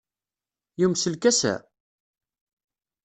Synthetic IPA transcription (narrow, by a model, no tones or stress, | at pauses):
jumsəlkæsæ̰